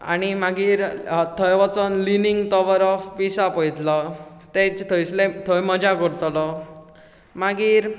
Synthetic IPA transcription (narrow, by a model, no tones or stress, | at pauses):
a̰ñimaɡiːɾt̪ʰəjʋat͡sənliniŋɡt̪ɔʋəɾɔfpisapəjt̪lɔ | t̪et͡ɕt̪ʰəjslet̪ʰəjməd͡ʑakəɾt̪lɔ | maɡiːɾ